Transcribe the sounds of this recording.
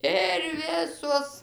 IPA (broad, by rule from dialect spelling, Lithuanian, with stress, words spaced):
ɪr ˈʋʲɪsuɔs